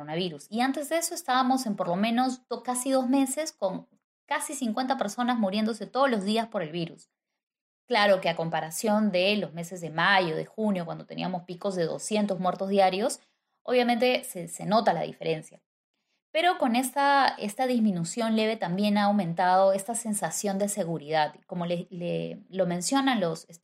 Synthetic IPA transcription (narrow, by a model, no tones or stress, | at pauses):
onaβiɾusiant̪e̞zðeeso̞est̪aβamo̞se̞mpo̞ɾlo̞mẽ̞no̞sokasiðo̞zme̞se̞sko̞ŋ | kasisiŋkwent̪ape̞ɾso̞nazmuɾje̞nd̪o̞se̞t̪o̞ð̞olo̞zðiaspo̞ɾe̞lβiɾus | klaɾo̞ke̞ako̞mpaɾasjo̞nd̪e̞lo̞zme̞se̞zðe̞maʝo̞ðexunjokwand̪o̞t̪e̞nḭamo̞spiko̞zðe̞ðo̰sje̞nt̪o̞zmwe̞ɾt̪ozðjaɾjo̞s | oβ̞jamẽnt̪e̞sese̞no̞t̪ala̰ðḭfe̞ɾʔe̞nsja̰ | pe̞ɾo̞ko̞ne̞st̪aest̪aðizmĩnusjo̞nle̞βe̞t̪ambje̞naːwmẽ̞nt̪að̞o̞e̞st̪ase̞nsasjo̞nd̪e̞se̞ɣuɾiðaðiko̞mo̞lelelo̞mẽ̞nsjo̞nanlo̞ses